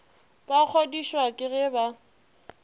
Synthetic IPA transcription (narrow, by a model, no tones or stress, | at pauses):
b̥ak͡xʰodiʃwakʼɪɣɛba